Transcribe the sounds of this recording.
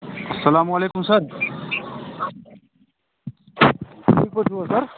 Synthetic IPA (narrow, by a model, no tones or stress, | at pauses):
ɐsːɐlaːmɐleːkumsɐɾ | ipɐt͡ʃʰuɐsɐɾ